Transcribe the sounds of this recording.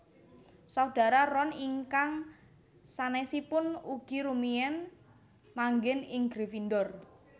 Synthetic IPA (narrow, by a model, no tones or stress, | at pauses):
sauɖ̥a̤ɾarɔniŋkaŋ | sanɛsipʊnuɡ̥i̤ɾumiɛn | maŋɡɪnɪŋɡɾefindɔr